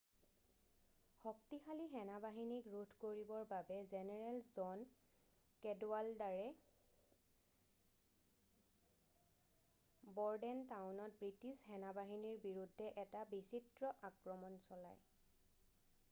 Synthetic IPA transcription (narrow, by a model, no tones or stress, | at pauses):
xɔk̚tixaliɦɛnabaɦinikɹutʰkoɹibɔɹbabɛzɛnɛɹɛlzɔn | kɛdwaldaɹɛ | bɔɹdɛntawnɔt̚bɹitisxɛnabaɦiniɹbiɹudʱːɛʔɛtabisitɹɔʔakɹɔmɔnsɔla̰j